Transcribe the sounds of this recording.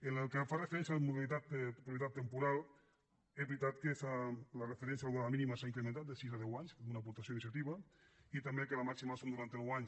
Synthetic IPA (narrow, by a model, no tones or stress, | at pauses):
enelˠkefarefeɾɛnsjamuðelit̪at̪pɾupjet̪at̪ːempuɾal | ɛzβɾit̪at̪kefalarefeɾɛnsjalðaðaminimasaiŋkɾement̪at̪̚d̪esizaðɛwaɲskamunapuɾt̪asjoinis̬jat̪iβait̪ambekelamaksimasomd̪uɾant̪enwaɲs